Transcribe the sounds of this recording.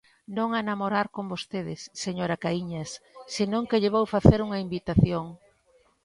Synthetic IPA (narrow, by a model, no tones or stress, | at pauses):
nõŋanamoɾaɾkombost̪eðɪsːeɲoɾakaiɲɐssinõŋkeʎeβ̞owfaθeɾuŋɐimbit̪aθjoŋ